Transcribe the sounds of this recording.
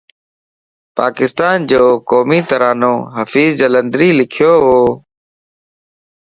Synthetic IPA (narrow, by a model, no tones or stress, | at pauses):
pa̰ːkɪst̪aːnd͡ʒoːkoːmiːt̪əɾaːnõːɦəfiːzd͡ʒələ̃nd̪ɾiːlɪkʰjoːɦoː